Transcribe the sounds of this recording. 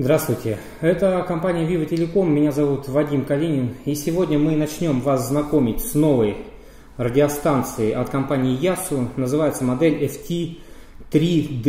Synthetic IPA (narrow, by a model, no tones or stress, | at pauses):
zd̪ɾast̪vʊjtʲɪ | ɛt̪əkɐmpanʲɪjəvʲivətʲɪlʲɪko̞mːʲɪnʲazɐvut̪vɐdʲimkɐlʲinʲɪnisʲɪvo̞dʲnʲəmɨnɐt͡ɕnʲo̞mvaszːnɐko̞mʲɪtʲsno̞vəj | rədʲɪɐst̪ant̪sɨɪʔɐt̪kɐmpanʲɪːjasʊnəzɨvajɪt̪səmɐd̪ɛlʲɛftʲi | t̪ɾʲid̪